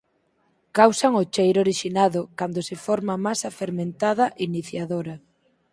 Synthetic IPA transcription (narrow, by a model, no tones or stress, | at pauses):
kawsaŋot͡ʃejɾoɾiʃinaðʊkand̪osɪfɔɾmamasafeɾmẽnt̪aðɐʔiniθjaðoɾɐ